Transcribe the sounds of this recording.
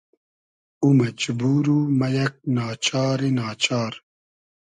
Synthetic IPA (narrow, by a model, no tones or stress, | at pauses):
umɐd͡ʒbuːɾumɐjɐk̚naːt͡ɕaːɾinaːt͡ɕaːɾ